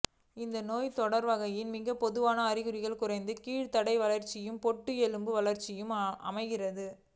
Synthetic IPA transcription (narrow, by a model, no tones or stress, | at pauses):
ɪnd̪ɐnoːjt̪ɔɽɐɾʋɐɣɐjɪnmɪɣɐpɔðɯʋaːnɐːɾɪɣɯɾɪɣɐɭkʊrɐɪnd̪ɯkiːɽt̪ɐɽɐɪʋɐɭɐɾt͡ʃːɪjɯmpɔʈːɯɛɻɯmbɯʋɐɭɐɾt͡ʃɪjɯmʔɐ̰mɐɪɣɪrɐðɯ